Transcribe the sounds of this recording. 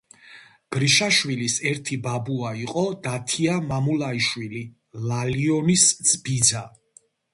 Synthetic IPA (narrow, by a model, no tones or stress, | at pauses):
b̥ɾiʃaʃwilisɛɾt̪ʰibabuaiqʼɔd̪at̪ʰiamamulˠaiʃwili | laliɔnisd̪z̥ʼbid̪za